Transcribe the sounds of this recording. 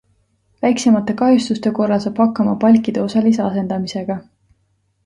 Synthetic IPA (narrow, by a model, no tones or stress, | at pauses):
væjksemɑt̪ːˑe̞kɑjust̪ust̪e̞ko̞rːɑlsɑb̥hɑkːɑmɑpɑlʲkːˑid̪̥e̞o̞sɑlis̬eɑse̞nd̪ɑmise̞ɡ̥ɑ